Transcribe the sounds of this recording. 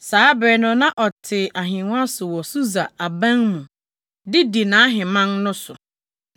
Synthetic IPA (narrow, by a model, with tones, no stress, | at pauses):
saː˨˦bɛ˨nʊ̃˦nã˦ʔɔ˨tʰɪ˨ʔa˨ɦɪ̃˨ŋʊ̃˦a˦sʊ˨wɔ˨su˦za˨a˨bã˦ŋmũ˨ | dɪ˦di˨nã˨˦ɦɪ̃˨mã˦nnʊ̃˦sʊ˨